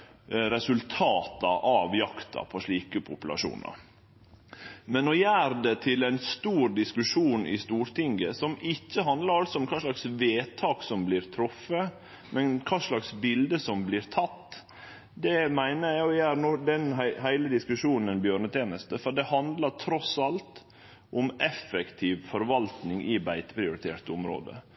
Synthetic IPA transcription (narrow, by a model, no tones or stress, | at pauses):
ɾɛsʉlt̪ʰɑːt̪ɑ̰ʔɑʋjɑkt̪ʰɑ̰pʰɔʂɭiːkəpʰʊpʉlɑ̰ʂṵːnɑ̰ɾ | mɛnɔjæːɾd̪ɛt̪ʰɪlæɪnst̪uːɾd̪ɪskʉʂuːnɪ̰st̪uːɾt̪ʰɪŋɡəsɔmɪçːəɦɑnd̪lɑɾɑlsɔɔmkʰɑːʂɭɑksʋeːt̪ʰɑːksɔmblɪːɾt̪ʰɾɔfːə | mɛnkʰɑːʂɭɑksbɪld̪əsɔmblɪɾt̪ʰɑt̪ː | d̪ɛmæɪnəjæjæːɾnɔd̪ɛnɦɦæɪləd̪ɪskʉʂuːnənbjøːɾɳət̪ʰeːnəst̪əfɔɖ̪ɛhɑnd̪ləɾt̪ʰɾɔsɑlt̪ | ʔʊmʔɛfːɛkt̪ʰiːʋfɔɾʋɑlt̪nɪŋɪbæɪt̪ə̥pʰɾɪʊɾɪt̪ʰḛːʈ̪ɔmɾo̰ːd̪ə̰